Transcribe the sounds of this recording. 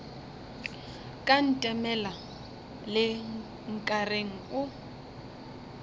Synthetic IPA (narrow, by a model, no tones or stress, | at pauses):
kʼan̩tʼɛmɛla | lɪ | ŋ̩kʼareŋ̩ʊ